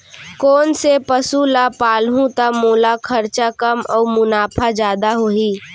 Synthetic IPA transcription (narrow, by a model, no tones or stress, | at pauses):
kɔːnsepəsulapaːlɦũt̪amoːlakʰəɾt͡ʃakəmɔːɾmʊnaːpʰad͡ʒjaːd̪aɦoːɦiː